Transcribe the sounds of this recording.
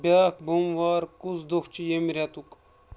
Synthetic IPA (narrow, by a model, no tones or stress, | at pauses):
baːkbomʋaːɾkusd̪oxt͡ʃijemiɾʲat̪uk